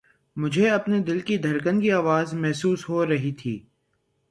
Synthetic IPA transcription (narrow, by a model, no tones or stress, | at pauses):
mʊd͡ʒʱeɐpned̪ɪlkid̪ʱɐɾkənkiaːʋaːzmɛɦsuːsɦoɾɐɦit̪ʰḭː